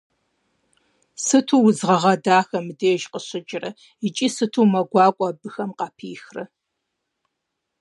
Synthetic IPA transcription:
sɨtʰuːwʊzʁɐʁɐdaːxɐmɨdeːʒqəɕɪt͡ʃʼɪrɐ | it͡ʃʼiːsɨtʰuːmɐɡʷɑːkʷʼɑbɨxɐmqɑpʰiːxrɐ

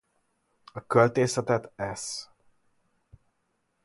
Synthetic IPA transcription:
ɒkølt̪eːsɛt̪ɛt̪ɛs

